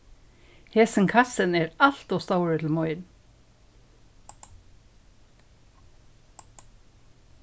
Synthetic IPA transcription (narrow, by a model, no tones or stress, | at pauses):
heːsɪnkʰasənɛːɹal̥t̪ɔst̪awəɹɪt̪ʰɪlmɔʏn